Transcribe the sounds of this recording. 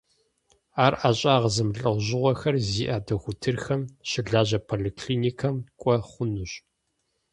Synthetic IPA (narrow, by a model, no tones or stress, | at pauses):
aːrʔaɕʼaːʁəzɨmɬʼɐʁʷʑɪʁʷɔxɐrziːʔaːdɐxʷʊtʰɨrxɐmɕɪɮaːʑɐpʰolikʰɬiːniːkʰɐmkʷʼɔχʷʊnuɕʼ